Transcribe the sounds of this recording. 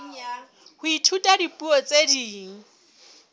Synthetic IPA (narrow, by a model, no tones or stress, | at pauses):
hʊitʰutʼadipʼuɔt͡sʼediːŋ̩